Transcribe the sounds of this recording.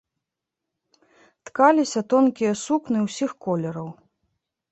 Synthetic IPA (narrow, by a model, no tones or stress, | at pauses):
t̪kalʲisʲɐt̪ɔnkʲijɐsuknɨwsʲixkɔlʲɐɾɐw